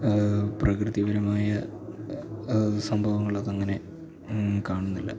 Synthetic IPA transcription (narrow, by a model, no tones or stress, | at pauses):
prɐkrɨðjɐʋɐɾɐmaːjɐ | sɐmbʱɐʋɐŋːɐɭɐðɐŋːɐne̞ | kaːɳunːilːɐ̰